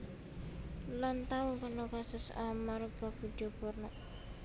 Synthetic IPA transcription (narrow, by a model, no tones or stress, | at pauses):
lant̪aukərnɔkasʊsa̰maɾuɡafid̪̥iopɔrnɔ